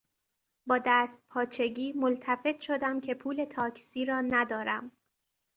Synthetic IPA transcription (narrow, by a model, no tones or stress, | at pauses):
bɒːd̪æːst̪̚pʰɒːt͡ʃʰe̞ɡiːmolt̪ʰæfe̞t̪ʰʃo̞d̪æmcʰe̞pʰuːle̞t̪ʰɒːcʰsiːɾɒːnæd̪ɒːɾæm